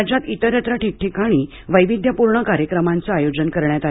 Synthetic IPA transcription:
d͡ʑat̪it̪əɾjət̪ɾəʈik̚ʈikaɽ̃iː | ʋəjʋid̪ʱjəpuɾɳəkaɾjəkɾəmant͡saajod͡ʑənkəɾɳjat̪a

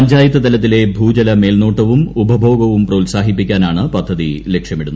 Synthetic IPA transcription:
ɐɲd͡ʑaːjɐt̪ːɐt̪ɐlɐt̪̬ːile̞bʱuːd͡ʑɐlɐme̞ːlno̞ːʈːɐʋumubʱɐbʱo̞ːɡɐʋumprɐulsaːɦipːikʲːaːnaːɳɨpɐd̪ʱːɐðile̞kʂjɐmiɽunː

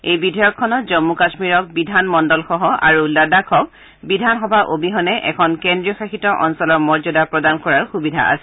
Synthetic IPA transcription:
ejbidʱɔjɔkʰːɔnɔtzɔmːukasmiɹɔk̚bidʱanmɔndɔlxɔɦɔʔa̰ɹuladakʰɔk̚ | bidʱanxɔbʱaʔobiɦɔnɛʔɛ̰kʰɔnkɛndɹiɔxaxitɔʔɔnsɔlɔɹmɔɹzɔdapɹɔdankɔɹaɹxubidʱa̰ʔa̰sɛ

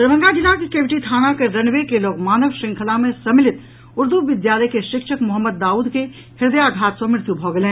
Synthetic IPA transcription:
d̪əɾʋə̃ŋɡad͡ʒɪnakikeːʋɪʈit̪ʰaːnakeɾɐnʋekeloːɡmaːnəʋʃɪ̃ŋkʰəlamẽsɐmɪlɪt̪ | ʊɾd̪uʋɪd̪jaːləkeʃɪkʃəkmʊɦəmːəd̪ːaːuːd̪ke | hɪɾd̪əjaɡʱaːt̪səmɪɾt̪jubʱoːɡəlẽː

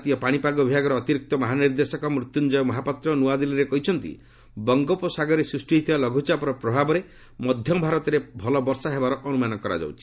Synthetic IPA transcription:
t̪ijɔpaɽ̃ipaɡɔbʱaɡɔɾɔːt̪iɾik̚t̪ɔmɔɦaniɾd̪esɔkɔmɾut̪ːund͡ʒɔjɔmɔɦapat̪ɾɔnuad̪iliɾekɔɦit͡ʃʰɔnt̪ḭ | bɔŋɡɔpɔsaɡɔɾesɾusʈiit̪ʰibalɔɡʱut͡ʃapɔɾɔpɾɔbʱabɔɾe | mɔd̪ʱjɔbʱaɾɔt̪ɔɾebʱɔlɔbɔɾsaɦebaɾɔʔɔnumanɔkɔɾa̰d͡ʒa̰wt͡ʃʰi̥

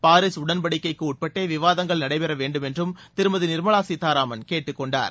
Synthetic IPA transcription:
paːɾɪsʊɽɐnbɐɽɪkːɐɪkːɯuːʈ̚pɐʈːeːʋɪʋaːðɐŋɡɐɭnɐɽɐɪpɛɾɐʋeːɳɖɯmɛndrɯmt̪ɪɾɯmɐðɯnɪɾmɐɭaːsit̪aːɾaːmɐnkeːʈːɯkːɔɳɖa̰ːɾ

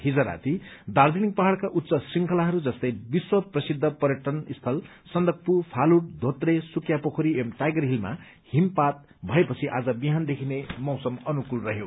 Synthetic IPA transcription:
ɦid͡zʌɾa̰t̪id̪ard̪inik̚pʌɦaɽkaʔut̪ːsʌsiŋkʰʌlaɦʌɾud͡zʌst̪ʌjbiswʌprʌsid̪ʱːʌpʌɾjeʈʌnist̪ʰʌl | sʌnd̪ʌk̚pupʰaluɽ̚d̪ʱot̪resukjapʌkʰoɾiemʈajɡʌɾɦilma̰ | himpat̪̚ | bʱʌepʌt͡sʰiʔa̰d͡zʌbiɦand̪ekʰinemʌwsʌmʌnukulrʌɦjo

